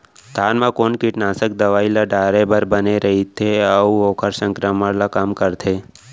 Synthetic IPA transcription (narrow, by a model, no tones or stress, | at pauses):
t̪ʰanmãkoːnkɪʈnasək̚d̪əʋaːilaɖaːɾebəɾbəneɾəɦit̪ʰeəuoːkʰəɾsə̃ŋkɾəməɽlakaːmkəɾt̪ʰe